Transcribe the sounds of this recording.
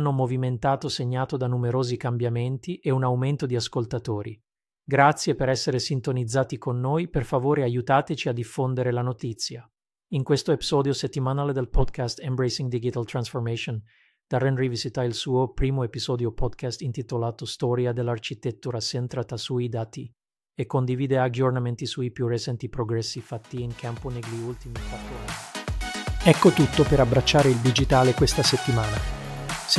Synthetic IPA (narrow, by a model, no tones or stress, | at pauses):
nːomoviment̪aːt̪oseɲːaːt̪od̪anumeɾoːzikambjament̪iʔeunauwment̪od̪iaskolt̪at̪oːɾḭ | ɡɾat̪sːjepeɾɛsːeɾesint̪onid̪zːaːt̪ikonːoːjperfavoːɾeajut̪aːt̪et͡ʃiad̪ifːond̪eɾelanot̪it̪sːja | iŋkwest̪oepiz̥ɔːd̪joset̪ːimanaːled̪elpɔd̪kast̪ɛmbɾejsiŋd̪id͡ʒit̪alt̪ɾansformɛʃon | d̪̥arɛnrivisit̪ailsuːopɾiːmoepizɔːd̪jopɔd̪kast̪int̪it̪olaːt̪ost̪ɔːɾjad̪elːart͡ʃit̪et̪ːuɾasent̪ɾat̪asuid̪aːt̪i | ekːond̪iviːd̪ead͡ʒornament̪isuipjurːet͡ʃɛnt̪ipɾoɡɾɛsːifat̪ːiːŋkʰamponeɡliult̪imikwat̪ːɾoa | ɛkːot̪ut̪ːopeɾabɾat͡ʃːaːɾeild̪id͡ʒit̪aːlekwest̪aset̪ːimaːna | s